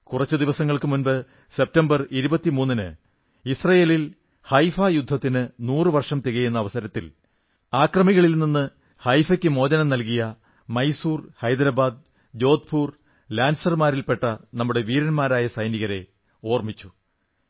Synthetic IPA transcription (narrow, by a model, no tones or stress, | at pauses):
kurɐt͡ɕːɨd̪iʋɐsɐŋːɐɭkɨmunbɨ | se̞p̚tɐmbɐriɾubɐt̪ːimuːnːinɨ̰ | isrɐjeːlil | hɐjfajud̪ʱːɐt̪ːinɨnuːrɨʋɐrʂɐmt̪iɣɐjenːɐːʋɐsɐɾɐt̪ːil | aːkrɐmiɣɐɭilninːɨ | hɐjfɐkʲːɨmo̞ːd͡ʑɐnɐmnɐlkijɐ | mɐjsuːrhɐjd̪ɾɐbaːd̪̚ | d͡ʑo̞ːd̪̚pʰuːr | laːnsɐrmaːɾilpe̞ʈːɐnɐmːuɽe̞ʋiːɾɐnmaːɾaːjɐsɐjniɣɐɾe̞ | o̞ːrmit͡ɕːu